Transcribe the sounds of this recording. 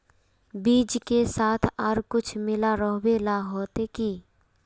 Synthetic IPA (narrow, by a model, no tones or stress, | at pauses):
biːd͡ʒkesaːt̪ʰɔːɾkʊt͡ʃʰmɪlaɾəɦwelaɦoːt̪ekiː